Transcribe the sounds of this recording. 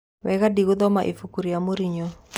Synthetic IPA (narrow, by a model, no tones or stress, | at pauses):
wɛkadiɡʊd̪ɔmaʔifukuɾiamoɾiɲɔ